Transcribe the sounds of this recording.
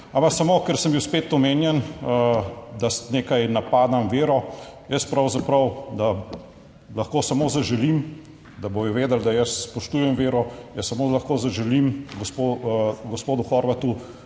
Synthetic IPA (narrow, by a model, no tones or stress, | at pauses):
ampaksamoːkəɾsəmbiwspeːt̪ɔmeːnjɛn | d̪asneːkajnapaːd̪amʋeːɾɔjəspɾɐwzapɾɐwd̪a | lɐxkoːsɐmozaʒɛlim | d̪abojɔʋeːd̪əld̪ajəsːpɔʃt̪uːjɛmʋeːɾɔjəssɐmoːlaxkoːzɐʒɛlimɡɔspoɡɔspoːd̪uxɔɾʋat̪u